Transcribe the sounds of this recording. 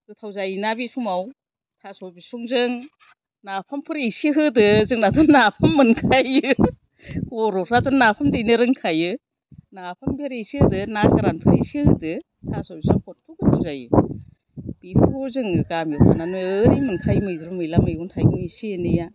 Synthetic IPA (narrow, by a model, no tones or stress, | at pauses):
ɡɯtʰawzajnabisumaw | tʰasɔbisuŋzɯŋ | napʰampʰɯɾisiɦɯdɯzɯŋnatʰɔnːapʰamːɯnkʰajɯ | kʰɔɾɔkʰɾatʰɔnːapʰamdɯjnɯɾɯŋkʰajɯ | napʰambeɾisihɯdɯnaskaɾanpʰɯɾisihɯdɯ | tʰasɔbisaŋkʰɔt̚pʰuɡɯtʰawzajɯ̰ | b̥ipʰuɾzɯŋɯɡamjutʰa̰nanuɯɾimɯŋkʰajmɯjdɾumɯjlamɯjɡuntʰajɡɯŋisienɯja